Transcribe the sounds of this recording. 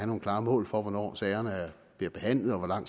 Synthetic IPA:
ænonkʰlɑ̈ːmɔ̰̽ːlfɒʋɒnɒ̰ːsɛɪɐnə | b̥liɐb̥e̝ɦæn̰lð̩ˠɒʋɒlɑ̈ŋ̰

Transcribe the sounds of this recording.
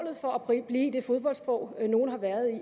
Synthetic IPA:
lð̩ˠfɒ̽æpʰʁib̥liːid̥e̝fo̝ð̞ˠb̥ɒ̽ld̥sb̥ʁɒ̰ʊ̰no̝ːn̩ɦhɑ̈ʋæːɐðˠi

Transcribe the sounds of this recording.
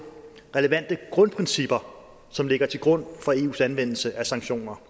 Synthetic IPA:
ʁɛləʋæn̰d̥əɡ̥ʁɔ̽npʰʁɛnsib̥ɐ | sɒ̽mle̝ɡ̥ɐt͡sʰe̝lɡ̥ʁɔ̽n̰fɒe̝ːṵːsænʋen̰l̩səʔæsɑ̈ŋɡɕo̝̰ːnɐ

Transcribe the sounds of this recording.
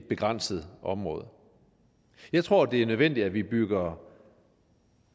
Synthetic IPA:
b̥e̝ɡ̥ʁɑ̈n̰səð̞̩ˠʔɒ̽mʁɔ̽ːð̞ˠ | jɑ̈ɪt͡sʰʁo̝ɐ̰d̥e̝æɐnøðˠʋen̰d̥i̥æʋib̥yɡ̥ɐ

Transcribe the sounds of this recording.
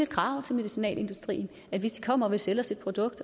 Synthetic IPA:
e̝d̥kʰʁɑ̈ʊ̰t͡sʰe̝lme̝ðˠisinɛ̰ːle̝nd̥usd̥ʁḭːn | æd̥ʋe̝sd̥i̥kʰɒ̽m̰ɐʋe̝selɒsid̥̚pʰʁo̝d̥ɔ̽ɡ̥̚d̥

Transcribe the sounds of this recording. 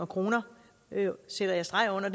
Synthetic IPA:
ɐkʰʁo̝ːnɐ | sed̥ɐjɑ̈ɪsd̥ʁɑ̈ɪɔ̽n̰ɐd̥

